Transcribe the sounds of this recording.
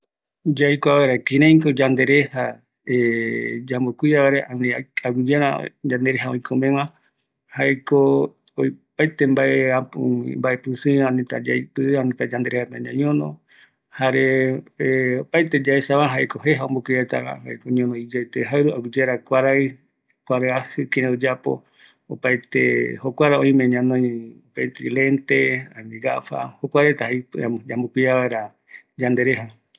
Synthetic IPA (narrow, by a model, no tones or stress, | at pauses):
d͡ʒajkoaβeɾakĩɾẽĩkod͡ʒand̪eɾeha | ed͡ʒambokʷiaβaɾeʔanĩaɡud͡ʒeɾa̰d͡ʒand̪eɾeɦaõĩkʰomẽwã | haeko | ojpajt̪embaeapuḭ̃mbaʔepɨsɨãnĩt̪a̰d͡ʒajpɨãnĩt̪ad͡ʒand̪e̞ɾehap̪ãnãɲõnõ̰ | haɾeeopajt̪ed͡ʒaesaβaɦaekoɦeɦaombokʷiat̪aa̰haekoɲõnõid͡ʒajt̪eɦaɨɾuaɡud͡ʒeɾakʷaɾaj | kʷaɾaahɨkẽẽod͡ʒapo̰ | opajt̪ḛhokʷaɾaõĩmẽɲãnõĩopajt̪eilent̪eanĩɡa̰fa̰hokʷaɾet̪ahaipaambokʷiaβaeɾa | d͡ʒand̪eɾeɦa